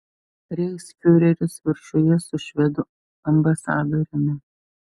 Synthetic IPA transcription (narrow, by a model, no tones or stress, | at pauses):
ɾʲɛɪsʲfʲʊɾʲɛɾʲʊsʋʲɪɾʲʃojɛsʊʃʲʋʲɛd̪ʊ | ɐmbɐsɑːd̪oːɾʲɪmʲɪ